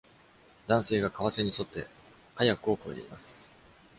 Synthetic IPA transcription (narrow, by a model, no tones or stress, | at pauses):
d̪ãɰ̃se̞ːɡakaβase̞ɲ̟iso̞t̪ːe̞̰ | hajakɯ̟o̞ko̞iɾe̞̰ima̰sɨ̥